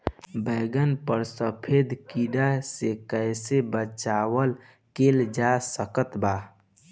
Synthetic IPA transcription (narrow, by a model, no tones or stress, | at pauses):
bəɡənpəɾsəpʰed̪kiɖasekəjsebət͡ʃawəl | keld͡ʒasəkət̪ba